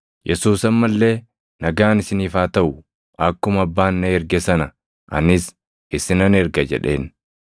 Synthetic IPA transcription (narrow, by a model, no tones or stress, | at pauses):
jʔɛsuːsɐmːɐlːe̞ː | nɐɡaːnɪsɪniːfaːt̪ɐʔʊ | ʔɐkːʊmɐbːaːnːɐɛɾɡɛsɐnɐ | ʔɐ̰nɪs | ɪsɪnɐnɛɾɡɐd͡ʒɛ̰ᶑe̞ːn